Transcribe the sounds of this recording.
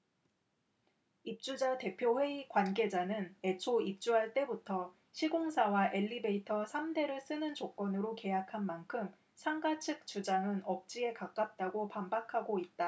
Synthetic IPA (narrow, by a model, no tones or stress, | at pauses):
ip̚t͡ɕ͈ud͡ʑate̞pʰjoɸwe̞ikwanɡe̞d͡ʑanɯne̞t͡ɕʰoip̚t͡ɕ͈uɦaɭt͈e̞butʰʌ | ɕʰiɡoŋsʰawaʔe̞ʎːibe̞itʰʌsʰamde̞ɾɯɭs͈ɯnɯnt͡ɕok͈ʌnɯɾoke̞jakʰanmankʰɯm | sʰaŋɡat͡ɕʰɯk̚t͡ɕ͈ud͡ʑaŋɯnʌp̚t͡ɕ͈ie̞kak͈ap̚t͈aɡopambakʰaɡoit̚t͈a